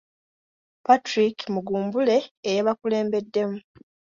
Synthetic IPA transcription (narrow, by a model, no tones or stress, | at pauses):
patɾikmuɡuːmbule̞ːjeβakule̞ːmbe̞dːe̞mu